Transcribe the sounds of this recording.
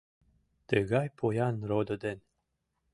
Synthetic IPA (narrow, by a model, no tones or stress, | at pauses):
t̪əɣɑjpʰojɑnɾod̪ŏd̪en